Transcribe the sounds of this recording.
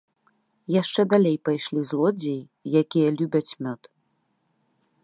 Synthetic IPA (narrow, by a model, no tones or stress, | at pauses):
jaʂt͡ʂɛd̪alʲejpajʂlʲizlˠɔd͡zʲej | jakʲijɐlʲubʲɐt͡sʲmʲɔt̪